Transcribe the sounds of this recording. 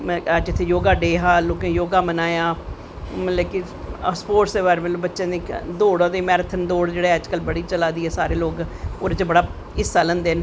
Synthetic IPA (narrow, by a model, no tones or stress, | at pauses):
d͡ʒɪt̪ʰːeːjoːɡaːɖeːɦaːloːkẽːjoːɡaːmənaːjaː | leːkɪ | spoːʈseːʋaːɾʋəloːbətːʃẽːd̪eːd̪oːɽãːd̪eːmɛːɾət̪ʰənd̪oːɽd͡ʒeːɽeːɛd͡ʒkəlbəɽiːt͡ʃəlaːd̪iːɛːsaːɾeːloːɡoːɾet͡ʃebəɽaː | ɪsaːlə̃nd̪eːn